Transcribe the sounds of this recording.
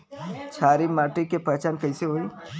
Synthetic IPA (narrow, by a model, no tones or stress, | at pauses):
t͡ʃʰaːɾimaːʈikepɐt͡ʃaːnkɐɪseɦoi